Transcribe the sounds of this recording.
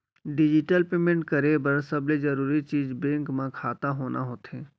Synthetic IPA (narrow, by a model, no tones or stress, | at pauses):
ɖɪd͡ʒɪʈəlpeːmẽɳʈkɐɾebɐɾsɐbled͡ʒɐɾuːɾit͡ʃiːzbẽːŋkmãkʰaːt̪aɦoːnʔa̰ɦoːt̪ẽː